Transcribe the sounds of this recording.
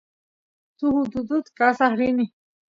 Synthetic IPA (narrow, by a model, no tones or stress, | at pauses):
t̪ʰuhud̪ud̪ut̪kʼasahɾini